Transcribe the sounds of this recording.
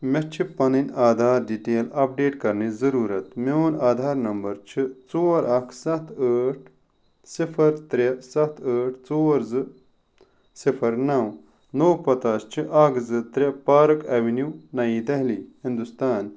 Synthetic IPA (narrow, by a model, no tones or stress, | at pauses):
met͡ʃʰipɐninaːd̪ʱaːɾɖiʈeːlɐp̚ɖeːʈkɐɾnizɐɾuːɾɐt̪meoːnaːd̪ʱaːɾnɐmbɐɾt͡ʃʰit͡soːɾʔɐkʰsɐt̪ʰəːʈ̚ʰ | sifʰɐɾt̪ɾɐsɐt̪ʰəːʈʰt͡soːɾzɨ | sifʰɐɾnɐw | noːpɐt̪aːst͡ʃʰiʔɐkzɨt̪ɾʲɐpaːɾɐkɐʋinjuːnɐjiːd̪ɐɦliːhĩnd̪ust̪aːn